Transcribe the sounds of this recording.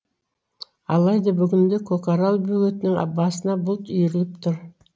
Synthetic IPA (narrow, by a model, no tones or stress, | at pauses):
ɑlˠɑjd̪ɑbʏɡʲɪnd̪ekʰokaɾalˠbɵɡet̪ɪnɪŋɑ̰bːɑsənɑbʊlˠt̪ʏjɾɪlɪpt̪ʰʊɾ